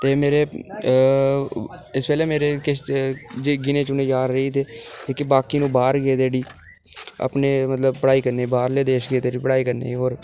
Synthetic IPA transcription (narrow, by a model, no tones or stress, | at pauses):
t̪eːmeːɾeː | ɪspɛːleːmeːɾeːkɪsd͡ʒeɡɪnẽːt͡ʃʊnẽːd͡ʒaːɾɾəiːt̪eːt̪ekɪbaːkiːnũːbaːɾɡeːt̪eːɽiː | ə̰pneːmət̪ləbpəɽaːiːkəɾneːbaːɾleːd̪eːʃɡeːd̪eːɽiːpəɽaːiːkəɾnḛːɦoːɾ